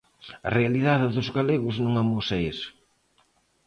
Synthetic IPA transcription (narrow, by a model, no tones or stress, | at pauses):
ɐ̰realiðaðɪðʊzɣaleɣʊznõŋamosees